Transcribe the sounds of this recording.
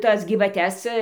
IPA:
ˈtɐs ɡʲiːʋɐˈtʲɛs

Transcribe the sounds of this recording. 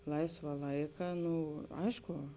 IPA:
ˈlˠɐɪsʋɐ ˈlˠɐɪkɐ ˈnʊ ˈɐɪʃkʊ

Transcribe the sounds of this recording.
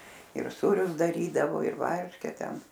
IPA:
ɪr ˈsuːrʲʊs dɐˈrʲiːdɐʋoː ɪr ˈʋɐrʲʃʲkʲɛ ˈtʲɛn

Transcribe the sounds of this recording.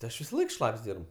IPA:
tʲɪ ˈɐʃ ʋʲɪsɐˈlˠɐɪk ˈʃlˠɐpʲsʲ ˈdʲiːrp

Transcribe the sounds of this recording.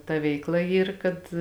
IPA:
tɐ ˈʋʲɛɪkˌlˠɐ ˈiːr kɐt

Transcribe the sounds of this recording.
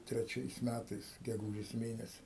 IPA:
tʲrʲɛˈt͡ʃʲɛɪs ˈmʲætɐɪs ɡʲɛˈɡuːʒʲeːs ˈmʲeːnʲɛsʲɪ

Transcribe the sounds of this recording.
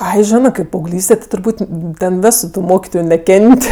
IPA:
ˈɐɪ ˈʒʲɪnɜ kɐɪp pɐɐʊˈɡlʲiːsʲtʲɛ tʲɪ tʊrˈbuːtʲ ˈtʲɛn ˈʋʲæːsʊ tʊ ˈmoːkʲɪtoːjʊ nʲɛˈkʲɛnʲtʲ

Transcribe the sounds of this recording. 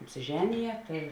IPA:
ɐpʲsʲɪˈʒʲæːnʲɪjɛ tɐɪ

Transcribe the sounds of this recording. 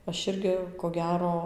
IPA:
ˈɐʃ ˈɪrʲɡʲɪ koː ˈɡʲæːroː

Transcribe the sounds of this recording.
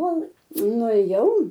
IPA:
ˈkoːlˠ nʊeːˈjɛʊ

